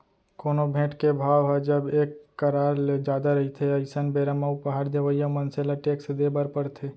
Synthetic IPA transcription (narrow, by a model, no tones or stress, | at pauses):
koːnobʱẽːʈkebʱaːʋɦɛd͡ʒəbeːkːəɾaːɾled͡ʒaːd̪aɾəɦit̪ʰeəɪsənbeɾamaupəɦaɾd̪eʋəijamənselaʈeːksd̪ebəɾpəɾt̪ʰe